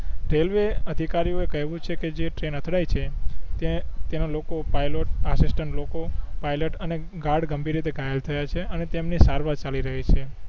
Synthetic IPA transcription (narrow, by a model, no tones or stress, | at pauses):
ɾelʋeəd̪ʱikaɾioekəɦʋũt͡ʃʰeked͡ʒeʈɾenət̪ʰɽajt͡ʃʰet̪t̪enolokopajloʈəsisʈəɳʈlokopajləʈəne | ɡaɖɡəmbʱiɾit̪eɡajəlt̪ʰəjat͡ʃʰeənet̪emnisaɾʋat͡ʃaliɾəɦit͡ʃʰe